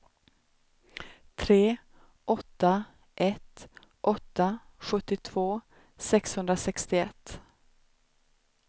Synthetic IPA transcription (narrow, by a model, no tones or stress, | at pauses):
t̪ʰɾeː | ʔɔt̪ːa | ʔɛt̪ | ʔɔt̪ːaɧɵt̪ːɪt̪ʰv̥oː | sɛkshɵnd̪ɾasɛkst̪ɪɛt̪ː